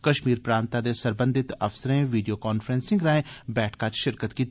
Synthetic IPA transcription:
kəʃmiːɾpɾaːnt̪ad̪eːsəɾbə̃nd̪ʱɪt̪ə̰fsəɾẽʋiːɖioːkɔːnfʰɾɛ̃ːnsɪ̃ŋɡɾaːẽːbɛːʈʰkat͡ʃʃɪɾkət̪kiːt̪

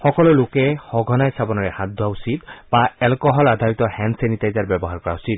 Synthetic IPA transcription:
xɔkɔlɔlokɛhɔɡʱɔnajsabɔnɔɹɛhad̪ʱɔausid̪baɛlkɔɦɔlad̪ʱawit̪ɔhɛnsenit̪ajzaɹbɔbɔɦaɹkɔɹausit̪̚

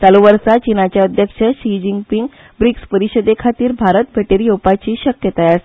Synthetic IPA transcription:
t͡saluʋəɾsat͡ɕinat͡ɕjaəd̪ʱjəkɕəɕid͡ʑiŋɡpiŋɡ | bɾikspəɾiɕəd̪ekʰat̪iːɾbʱaɾət̪̚bʱeʈeɾijowpat͡ɕiːɕəkjət̪ajas

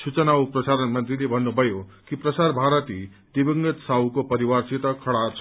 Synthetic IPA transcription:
sut͡sənawpɾʌsaɾənmʌnt̪ɾilebʱʌnːubʱʌjokipɾʌsaɾbʱaɾət̪i | d̪ibiŋnət̪sawkopəɾiwaɾsit̪əkʰʌɽa

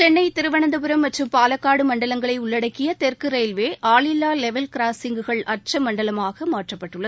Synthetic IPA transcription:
t͡ʃɛɳːɐɪt̪ɪɾɯʋɐɳɐnd̪ɐpɯɾɐmːɐʈrɯmpaːlɐkːaːɽɯmɐɳɖɐlɐŋɡɐɭɐɪʊɭːɐɽɐkːɪjɐt̪ɛrkɯɾeɪlʋeːʔaːɭɪlːaːlɛʋɛlkɾaːsɪŋɡɯɣɐɭɐr̚t͡ʃɐmɐɳɖɐlɐmaːɣɐmaːʈrɐpːɐʈːɯɭːɐð

